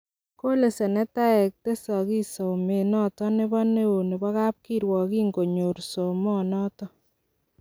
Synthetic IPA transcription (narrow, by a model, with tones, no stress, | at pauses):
ko˦le˨se˨nɛ˦ta˦ɛ˨k̚te˦sɔ˨ki˦so˨me˨nɔ˦tɔ˦nɪ˦bɔ˦ne˦wo˨ni˨bɔ˦ka˦p̚ki˦ɾwɔ˨ki˦ŋɡo˨ɲo˨ɾso˨mɔ˦nɔ˦tɔ˦